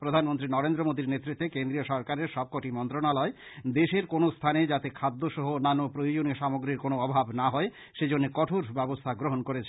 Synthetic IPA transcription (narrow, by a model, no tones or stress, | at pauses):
pɾod̪ʱanmont̪ɾinɔɾend̪ɾomod̪iɾnet̪ːɾit̪ːekend̪ɾioʃɔɾkaɾeɾʃɔb̚kɔʈimɔnt̪ɾonalɔed̪eʃeɾkonost̪ʰaned͡ʑat̪ekʰad̪ːoʃɔɦonanːopɾojod͡ʑonioʃamoɡɾiɾkonoɔbʱabnaɦɔe | ʃed͡ʑonːekɔʈʰoɾbɛbost̪ʰaɡɾoɦonkoɾet͡ɕʰe